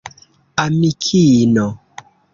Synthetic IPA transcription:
amikʰinɔ

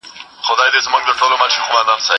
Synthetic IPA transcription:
xʊd̪ɑjd̪ezmuŋɡd̪əʈolomaʃixumad̪ansa

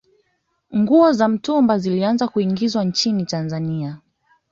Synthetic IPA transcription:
ŋɡuɔzam̩tumbazilianzakuiŋɡizwant͡ʃinitanzania

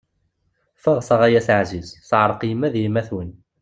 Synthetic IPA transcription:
fəʁsɑʁæjæsʕzizθʕəɾˤqjəmːæðjimːæθwən

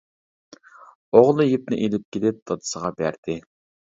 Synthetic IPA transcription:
oʁlˠɨjip̚nɪʔelɪp̚kʲelɪp̚d̪ʰɑd̪ɨ̥səʁɑbæ̰ɾd̪̥ɪ

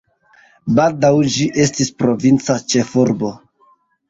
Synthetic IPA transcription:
baldawd͡ʒiʔe̞stispɾo̞vint͡sat͡ʃe̞fuɾbo̞

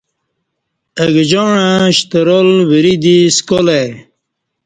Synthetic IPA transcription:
əɡd͡ʑoɳãɕt̪əɾolwəɾid̪iskole

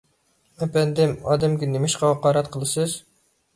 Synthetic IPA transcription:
ɛpɛnd̪ɪmɑ̰ːd̪ɛmɡʲɛnemɪʃqɑɑqɑːɾɛt̪qʰəlˠɨsɨz

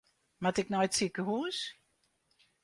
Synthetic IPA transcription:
matɪknɔjtsikəɦuːs

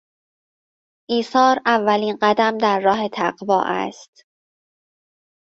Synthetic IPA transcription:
ʔiːsɒːɾævːæliːnɢæd̪æmd̪æɾːɒːɦe̞t̪ʰæɢvɒ̰ːʔæ̰st̪

